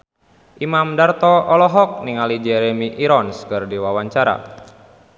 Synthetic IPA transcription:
ʔimamdart̪ɔɔlɔɦɔk̚niŋalid͡ʒɛɾemiʔiɾɔnskərdiwawaɲt͡ʃaɾa̰

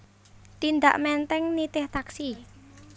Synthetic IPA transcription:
t̪ind̪a̰ʔmɛnt̪ɛŋnit̪ɪht̪aksi

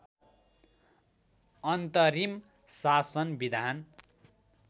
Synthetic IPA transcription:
ʌnt̪ʌɾim | sasʌnbid̪ʱan

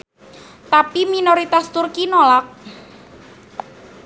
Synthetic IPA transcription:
t̪apiminoɾit̪ast̪urkinolak̚

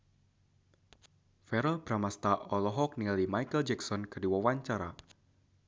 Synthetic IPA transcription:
fɛɾɔlb̥ɾamast̪aʔɔlɔɦɔk̚nilimajkəld͡ʒɛksɔnkərdiwawaɲt͡ʃaɾa̰

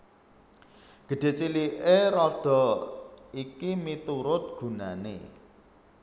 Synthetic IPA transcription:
ɡ̥ə̤ɖ̥e̤t͡ʃiliʔeɾɔɖ̥ɔ̤ | ikimit̪uɾʊt̪̚ɡ̥ṳnanḛ

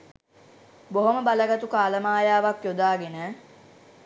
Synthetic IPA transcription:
boɦoməbaləɡat̪ukaːləmaːjaːʋakjod̪aːɡenəː

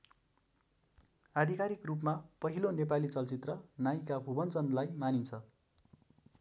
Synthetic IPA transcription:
ad̪ʱikaɾikrup̬mapʌɦilonepalit͡sʌlt͡sit̪rʌnajkabʱubʌnt͡sʌnlajmanint͡sʰʌ

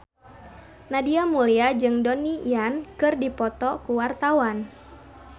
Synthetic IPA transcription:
nadiamuliad͡ʒɨŋdɔnijankɨrdipɔt̪ɔkuwart̪awan

